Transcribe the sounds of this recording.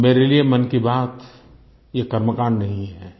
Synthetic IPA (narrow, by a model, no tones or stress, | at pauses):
meːɾeliemɐnkibaːt̪ | jekɐɾməkaːɳnɐɦĩɦɛː